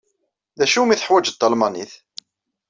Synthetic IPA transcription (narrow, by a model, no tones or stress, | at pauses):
ðæʃumiθəħwæd͡ʒət̪ːɑlmɑnḭθ